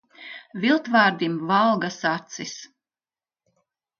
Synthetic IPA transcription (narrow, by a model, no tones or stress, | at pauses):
vilˠt̪vaːɾd̪imvalˠɡasat̪sis